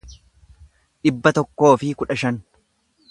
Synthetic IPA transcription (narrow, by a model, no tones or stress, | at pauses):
ᶑɪbːɐt̪ɔkːo̞ːfɪkʊᶑɐʃɐn